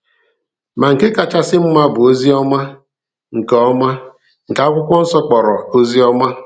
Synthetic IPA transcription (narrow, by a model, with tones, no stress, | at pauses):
ma˨ŋ̩˨ke˦ka˨t͡ʃa˦sɪ˦m̩˦ma˦bʊ˨o˦zi˦ɔ˦ma˦ | ŋ̩˨kɔ˦ma˦ | ŋ̩˨ka˦kʷʊ˦kʷɔ˦n̩˦sɔ˦k͡pɔ˨ɾɔ˨o˦zi˦ɔ˦ma˦